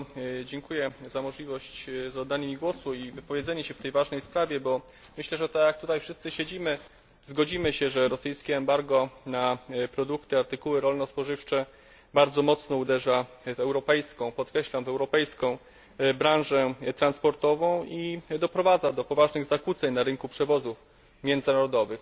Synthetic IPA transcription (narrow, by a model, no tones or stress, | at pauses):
d͡ʑɛŋkujɛzamɔʐlʲivɔɕt͡ɕzɔd̪ːanɘmʲiɡwɔsuivɘpɔvʲjed̪zɛɲɛɕɛft̪ɛjvaʐnɛjspɾavʲjɛbɔ | mɘɕlɛʐɛt̪ajak̚t̪ut̪ajfʂɘst̪sɘɕed͡ʑimɘ | zɡɔd͡ʑimɘɕɛʐɛɾɔsɘjskʲɛːmbaɾɡɔnapɾɔd̪ukt̪ɘaɾt̪ɘkuwɘɾɔlnɔspɔʐɘft͡ʂɛ | baɾd̪zɔmɔt̪snɔud̪ɛʐavɛwɾɔpɛjskɔ̃w̃pɔt̪kɾɛɕlamvɛwɾɔpɛjskɔ̃w̃ | bɾãw̃ʐɛt̪ɾanspɔɾt̪ɔvɔ̃w̃id̪ɔpɾɔvad̪zad̪ɔpɔvaʐnɘɣzakut̪sɛɲnaɾɘŋkupʂɛvɔzuf | mʲjɛnd̪zɘnaɾɔd̪ɔvɘx